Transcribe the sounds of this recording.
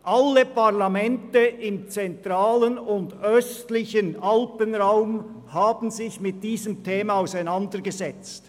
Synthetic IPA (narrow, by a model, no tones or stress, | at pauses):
ʔalːəpaʁlamɛntəʔɪmt͡sɛntʁaːlənʊndœstlɪçənʔalpənʁaʊm | haːbn̩zɪçmɪt̚d̥iːzəmtʰeːmɑaʊsæɪnandəʁɡəzɛt͡st